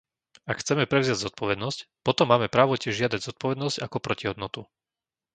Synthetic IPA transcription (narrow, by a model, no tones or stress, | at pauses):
akxt͡sɛmɛpɾɛʊzɪaɟzɔt̪̚pʰɔʋɛd̪nɔscpɔt̪ɔmːaːmɛpɾaːʋɔcɪɛʒʒɪad̪aɟzɔt̪̚pɔʋɛd̪nɔzcakɔpɾɔciɦɔd̪nɔt̪u